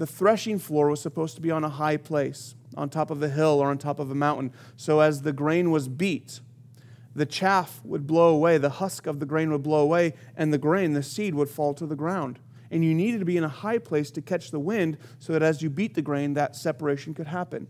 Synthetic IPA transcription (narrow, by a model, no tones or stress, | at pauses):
ðɨθɹɛʃɪ̃ŋflɔɹwʌz̥səpʰoʊz̥tʰəbiə̃nəɦaɪpʰl̥eɪs | ʔə̰̃ntʰɑpʌvðɨɦɪlˠə˞ə̃ntʰɑpʌvðəmãʊ̃ʔn̩ | soʊɨzðɨɡɹẽɪ̃nwʌzbit̪̚ | ðɨt͡ʃʰæfwə̰d̚bloʊəweɪðəhʌskʌvðɨɡɹẽɪ̃nwəd̚bloʊəweɪ | ʔɨ̃nðɨɡɹẽɪ̃nðɨsid̚wəd̥fɔlˠtʰəðəɡɹãʊ̃nd | ʔɨ̃njɨniɾɨd̚tʰɨbiɨ̃nəhaɪpʰl̥eɪstʰɨkʰɛt͡ʃðəwɪ̃nd̥soʊðɨɾɨzjɨbit̪̚ðɨɡɹẽɪ̃nðɨtsɛpə˞eɪʃn̩kɨd̚ɦæpɨ̰̃n